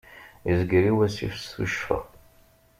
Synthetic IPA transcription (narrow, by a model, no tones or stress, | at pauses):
izɡɾiwæsḭfsθṵʃfə̰ʁ